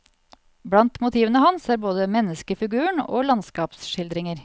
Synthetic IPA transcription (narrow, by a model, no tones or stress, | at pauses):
bɽɑnt̪mʊt̪ʰiːʋənəhɑnsæːɾboːd̪əmɛnːəskəfɪɡʉːəɳo̰ːlɑnskɑːpsʃɪld̪ɾɪŋəɾ